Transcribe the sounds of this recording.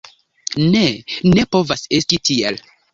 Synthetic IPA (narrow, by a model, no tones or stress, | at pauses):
nene̞po̞vase̞stitʰiḛl